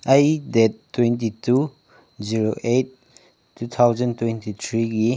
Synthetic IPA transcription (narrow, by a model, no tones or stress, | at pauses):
ʔɐjdɛtːwɛnt̬itu | ziɹoʔet̚ː | ut̪ʰawzə̃ntwɛ̃ntit̪ʰɾiki